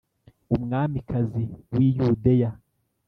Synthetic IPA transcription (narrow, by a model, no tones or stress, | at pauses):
umŋaːmikʰaziwijudeja